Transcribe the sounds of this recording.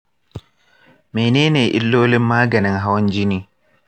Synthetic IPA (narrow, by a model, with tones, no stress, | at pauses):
me˨ne˦ne˨ʔḭ˦lːoː˦lɪ˦mːaː˦ɡa˨nɛ˨ŋɦa˦wn˦d͡ʒi˦ni˦